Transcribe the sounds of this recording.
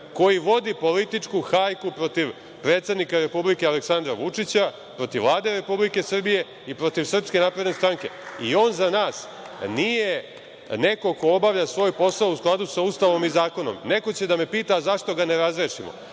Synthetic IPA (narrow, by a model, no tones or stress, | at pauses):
ko̞jiʋo̞d̪ipo̞lit̪it͡ʂkuxajkupɾo̞t̪iʋ | pɾe̞ːt̪sed̪nikaɾe̞publike̞aleksand̪ɾaʋut͡ʂit͡ɕa | pɾo̞t̪iʋːlˠaːd̪e̞ɾe̞publike̞sr̩bije̞ | ipɾo̞t̪iʋsr̩pske̞napɾe̞d̪ne̞st̪ɾaŋke̞io̞ːnzanaːs | nije | ne̞ko̞ko̞obaʋlʎasʋo̞ːjpo̞sausklˠad̪usaust̪aʋo̞mizaːko̞no̞̰mne̞ko̞t͡ɕe̞d̪ame̞piːt̪azaʂt̪o̞ɡane̞ɾazɾeːʂimo̰